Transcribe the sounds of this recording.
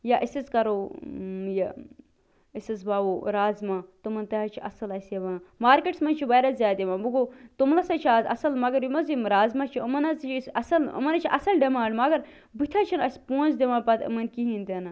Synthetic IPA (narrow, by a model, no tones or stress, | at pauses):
jaʔisɐzkɐɾoː | ja | isɐzbaʋoːɾaːzmat̪umɐnt̪ɐɦɐt͡ʃʰiʔɐ̰sɐlɐseʋɐnmaːɾkeʈsmɐnʲt͡ʃʰiʋɐːɾɐzʲjaːd̪imanbuɡot̪umlɐsɐt͡ʃʰiazɐ̰sɐlmɐɡɐɾjimɐzimɾaːzmat͡ʃʰiɐmɐnɐzt͡ʃʰsɐsɐlɨ̰mɐnɐt͡ʃʰiʔɐsɐlɖɐmaːɳɖmɐɡɐɾ | bɨt̪ʰaːt͡ʃʰinɐsʲpõːnzd̪imãːɖpɐt̪ɨ̰mɐnkiɦint̪enɐ